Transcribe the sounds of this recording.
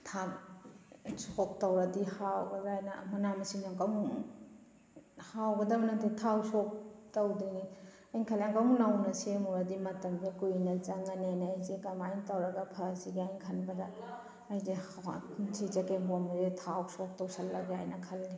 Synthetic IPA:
tʰa | sok̚tɐwɾɐdihawɡɐɡajnɐ̰mɐnamɐsiŋnaŋkawm | hawɡɐdɐmɐnɐtʰitʰawsok̚tɐwdiŋi | ajŋkʰalaŋkawmnawnɐsemuɾɐdimɐtɐmɡekujnɐt͡ʃaŋɐnenːjzekamajntɐwɾɐɡɐpʰɐziɡiajŋkʰɐnbɐdɐː | jzehawasʰid͡ʒɐkeɦomzetʰawsok̚tɐwsɐlːɐɡajnɐkʰɐlːi

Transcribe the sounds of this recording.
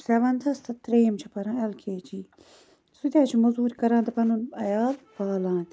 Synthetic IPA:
seʋɐnt̪ʰɐst̪ʰɐt̪ɾeːmt͡ʃʰɐpɐɾãːɐlkʰeːt͡ʃiː | sud̪ʲaːt͡ʃʰimɐzuːɾkɐɾãːnt̪ʰɐpɐnunɐjaːlpɐːlãːnt̪

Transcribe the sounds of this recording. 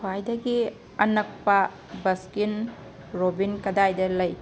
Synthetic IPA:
wajdɐɡi | ɐnɐk̚pɐ | bɐskin | ɾobinkɐdajdɐlɐj

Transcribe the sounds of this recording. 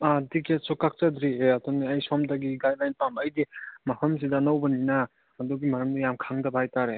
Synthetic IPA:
adiketsɔkak̚t͡ʃadɾieɐdɔneajsɔmdaɡiɡajdlajnpambɐjdimɐhəms̬idanawbɐnina | ɐdɔɡimɐɾɐmdijamkʰaŋdɐbhajtaɾe

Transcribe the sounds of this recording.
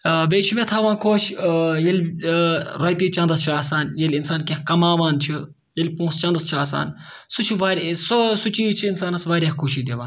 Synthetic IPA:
beːt͡ʃʰimet̪ʰaːʋãːkʰoːʃjɐlʲ | ɾɐjpiːt͡ʃɐ̃nd̪ɐst͡ʃʰiaːsaːnjelʲinsaːnkɐ̃ɦkɐmaːʋaːnt͡ʃʰi | jɐlʲpõːst͡ʃɐ̃nd̪ɐst͡ʃʰiaːsa̰ːn | sut͡ʃʰiʋaːɾssut͡ʃiːt͡ʃʰiːnsaːnɐsʋaːɾʲjaːkʰoːʃid̪eʋaːn

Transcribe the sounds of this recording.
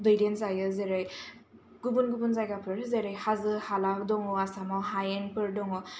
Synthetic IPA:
bɯjɾenzajɯzeɾɯj | ɡ̥ubunɡubunzajɡapʰɯɾzeɾɯjhazɯhalak̚dɔŋɔasamahajenpɯɾdɔŋɔ

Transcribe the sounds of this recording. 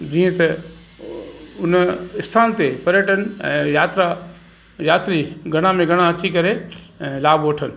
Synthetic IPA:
d͡ʒĩːẽt̪ɐ | ʊnɪst̪ʰaːnt̪epɐɾjəʈənɛ̰̃ːjaːt̪ɾa | jaːt̪ɾiɡʱɐɽ̃amẽɡʱɐɽ̃ãɐt͡ʃʰikɐɾeɛ̃ːlaːboːʈʰən

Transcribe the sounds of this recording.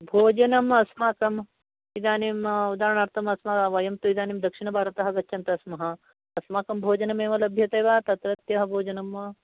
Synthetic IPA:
bʱoːd͡ʒɐnɐmɐsmaːkɐm | id̪aːnimud̪aːɾɐɳaːɾt̪ʰɐmɐsmɐʋɐjɐmt̪uid̪aːnimd̪ɐkʂiɳɐbʱaːɾɐt̪ɐɦɐɡɐt͡ʃːt͡ʃʰɐnt̪ɐsmɐɦɐ̆ | ɐsmaːkɐmbʱoːd͡ʒɐnɐmeːʋɐlɐbʱjɐt̪eːʋaːt̪ɐt̪ɾɐt̪jɐɦɐbʱoːd͡ʒɐnɐmɐ

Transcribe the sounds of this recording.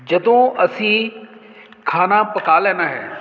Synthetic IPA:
d͡ʒɐd̪õɐsĩ | kʰaːnapɐkaːlɛ̃ːnaɦɛ̰ː

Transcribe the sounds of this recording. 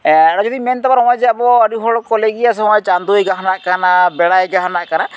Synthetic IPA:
ɛɽad͡ʒɔd̪iment̪ɔbaɾɔ̃ãd͡ʒɛabɔaɾiɦɔɭɔkɔleɡias̬ɦɔ̃ãt͡ʃand̪ujɡaɦnaʔkanabɛɽajɡaɦanaʔkana

